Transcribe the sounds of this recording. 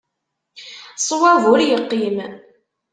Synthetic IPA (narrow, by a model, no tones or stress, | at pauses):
sˤwævʊɾjəqːim